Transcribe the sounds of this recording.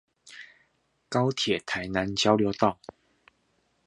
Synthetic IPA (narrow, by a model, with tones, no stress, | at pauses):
ka˦ʊt̪ʰjɛ˨˩t̪ʰa˨˦jna˨˦nt͡ɕjɑ˥˦ʊljo˧˦t̪ɑ˥˨ʊ